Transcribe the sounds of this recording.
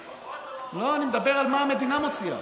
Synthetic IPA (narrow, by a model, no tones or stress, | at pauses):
lo̞animed̪abeʁalmaːme̞d̪inamo̞t͡sia̰